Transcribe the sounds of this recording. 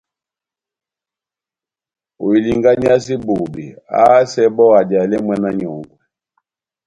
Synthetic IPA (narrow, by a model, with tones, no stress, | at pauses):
o˨i˨li˨ŋɡa˦ɲi˦a˦s̬i˦bo˨bi˨a̰˦sɛ˦bɔ˦a˨d͡ʒa˨lɛ˦mwɛ˨na˦ɲɔ˨ŋɡɔ˨